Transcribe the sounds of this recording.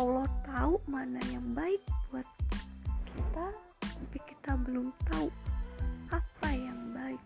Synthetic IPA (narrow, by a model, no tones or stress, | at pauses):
aulɔt̪aumanajaŋbaɪk̚buat̪̚kʰit̪a | apiki̥t̪abəlʊmt̪au | apajaŋbaɪk̚